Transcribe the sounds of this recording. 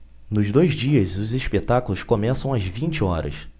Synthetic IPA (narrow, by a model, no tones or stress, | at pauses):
nʊzd̪ojzd͡ʒiɐzʊzeʃpet̪akulʊskomɛsɐ̃w̃ɐzvĩnt͡ʃɪɔɾɐ̰s